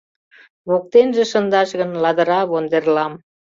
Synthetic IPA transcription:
βok̚t̪enʒĕʃə̆nd̪ɑʃɣə̆nlɑd̪ə̆ɾɑβond̪erlɑm

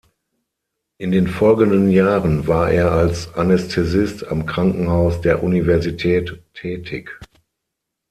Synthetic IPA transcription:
ʔɪndeːnfɔlɡəndənjaːʁənvaːɐʔeːɐalsʔanɛstʰɛzɪstamkʁ̥aŋkŋ̩haʊsd̥eːɐʔunivɛɐzitʰɛːtʰːɛːtʰɪk

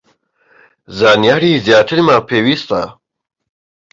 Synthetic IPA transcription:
zaːnjaːɾiːzjaːt̪ʰɨɾmapʰeːwiːst̪a̰

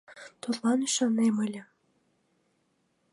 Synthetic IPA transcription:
t̪urlɑnyʃɑneməlʲɘ̆

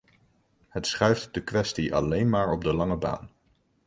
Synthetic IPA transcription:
hətsχœɥftdəkʋɛstiʔɑ̰lejnmaːɹɔb̚dəlɑŋəba̰ːn

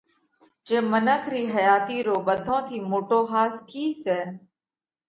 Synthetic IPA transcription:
t͡ʃẽːmənəkʰɾiːɦəjaːt̪iːɾoːɓəd̪ʱõːt̪ʰiːmoːʈoːɦaːskʰiːsɛː

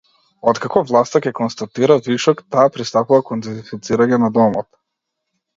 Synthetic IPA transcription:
ɔt̪kakɔvlˠast̪akʲɛkɔnst̪at̪iɾaviʃɔkt̪aːpɾist̪apuvakɔnd̪ɛzifit̪siɾaɲɛnad̪ɔmɔt̪

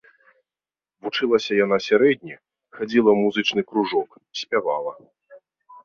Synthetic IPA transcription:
vut͡ʂɨlˠɐsʲɐjan̪asʲaɾɛd̪ʲnʲi | xad͡zʲilˠɐmuzɨt͡ʂnɨkɾuʐɔk | sʲpʲavalˠɐ

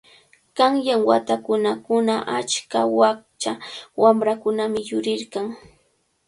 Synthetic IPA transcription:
kaŋjaŋwa̰t̪akʊnakʊnaʔat͡ʃkawakt͡ʃawamɾakʊnamɪjʊɾɪɾkaŋ

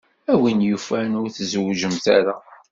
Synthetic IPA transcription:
æwinjufænʊɾθzwʒəmt̪æ̰ɾæ

